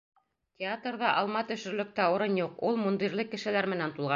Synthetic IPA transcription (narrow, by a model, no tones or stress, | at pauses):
tʲeat̪rðɑʔɑlˠmɑt̪ɵ̆ʃɵ̆ɾlɵ̆k̚t̪æŏɾɤnjuqulˠmund̪iɾlɘkːɘ̆ʃɘ̆læɾmɘ̆nænt̪ulˠʁɑ